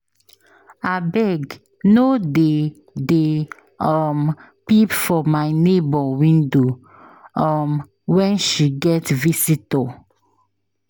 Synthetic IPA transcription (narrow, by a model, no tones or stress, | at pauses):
abɛɡ | node | de | ɔm | pipfɔmajnebɔwĩndo | ɔm | wɛ̃nʃiɡɛtvisitɔ